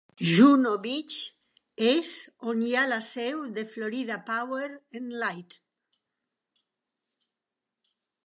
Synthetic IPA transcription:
ʒunoβit͡ʃ | esonjalasɛwðefloɾiðapaweɾenlajt̪

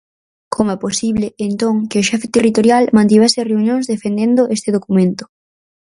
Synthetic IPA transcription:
kʰomoɛposiβleːnt̪oŋkeoʃɛfet̪erit̪oɾjalmãnt̪̬iβɛsɪreunjõŋzðefend̪end̪oʔest̪eðokumẽnt̪ʊ̥

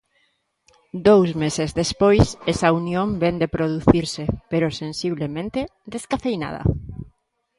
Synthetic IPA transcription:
d̪owzmesezðespojsɛsaunjõmbɛnd̪epɾoðuθiɾsɪpeɾʊsensiβlemẽnt̪ed̪eskaθejna̰ð̞ɐ̰

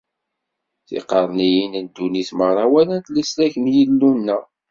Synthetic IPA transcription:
θḭqəɾˤnijinənd̪ːuniθmərˤɑwælənt̪lislæçənjilːunːæ

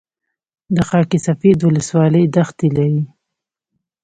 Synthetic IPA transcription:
d̪əxɑkisafed̪wʊləswɑləjd̪axt̪ilawi

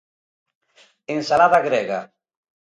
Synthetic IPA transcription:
ensalaðaɣɾeɣa̰

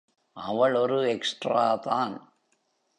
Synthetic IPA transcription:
ʔɐʋɐɭɔɾɯɛksʈraːðaːn

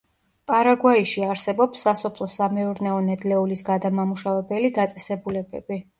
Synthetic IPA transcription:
pʼaɾaɡwaiʃiaɾsɛbɔpsːasɔpʰlˠɔsamɛuɾnɛɔnɛd̪lɛulisɡad̪amamuʃavɛbɛlid̪at̪sʼɛsɛbulɛbɛ̰bi

